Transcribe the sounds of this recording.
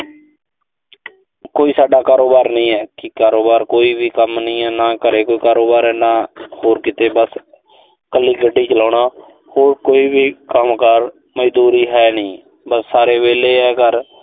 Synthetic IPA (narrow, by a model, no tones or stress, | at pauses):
koːiːsaːɖaːkaːɾoːbaːɾnĩːɛːkɪkaːɾoːbaːɾkoːiːbiːkəmnĩːɛːnaːkəɾeːkoːiːkaːɾoːbaːɾɛːnaːhoːɾkɪt̪eːbəs | kəlːiːɡəɖːiːt͡ʃəlãːɳaː | hoːɾkoːiːbiːkəmkəɾ | məd͡ʒd̪uːɾiːɦɛːnĩː | bəsːaːɾeːʋeːleːɦɛːkəɾ